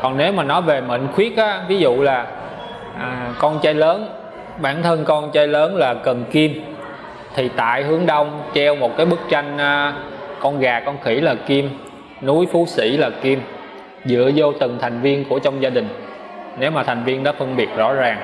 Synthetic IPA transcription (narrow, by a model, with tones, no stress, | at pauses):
kɔ˨˩nne˨˦wmaː˨˩nɔ˨˦jve˨˩mə̰˧˨ŋ̟xwi˦˥ək̚ʔaː˨˦vi˨˦zṵ˧˨laː˨˩ | ʔːkɔ˧nt͡ɕaː˧jləː˨˦n | ɓaː˧˩nt̪ʰə˧nkɔ˧nt͡ɕaː˧jləː˨˦nlaː˨˩kə˨˩nki˧m | t̪ʰi˨˩t̪a̰ː˧˨jɦɨ˨˦əŋɗə˧wŋ͡mt͡ɕɛ˧wmo˨˩t̚kaː˨˦jɓɨ˦˥k̚t͡ɕa˧jŋ̟ːkɔ˧nɣaː˨˩kɔ˧nxi˧˩laː˨˩ki˧m | nu˨˦jfu˨˦sḭ˧˥laː˨˩ki˧m | zɨ̰˧˥˨əzo˧t̪ɨ˨˩ŋt̪ʰa˨˩jŋ̟vi˧ənku˧˩ət͡ɕwŋ͡mzaː˧ɗï˨˩ŋ̟ | ne˨˦wmaː˨˩a˨˩jŋ̟vi˧ənɗɔ˨˦fə˧nɓi˨˩ət̚zɔ̰˧˥zaː˨˩ŋ